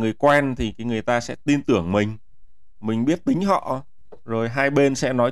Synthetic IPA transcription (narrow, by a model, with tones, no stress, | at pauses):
ŋɨ˨˩əjkwɛ˧nt̪ʰi˨˩kaː˨˦jŋɨ˨˩əjt̪aː˧sɛ̰˧˥t̪i˧nt̪ɨ˧˩əŋmï˨˩ŋ̟ | mï˨˩ŋ̟ɓi˦˥ət̚t̪ï˨˦ŋ̟ɦɔ̰˧˨ | zo˨˩jɦaː˧jɓe˧nsɛ̰˧˥nɔ˨˦j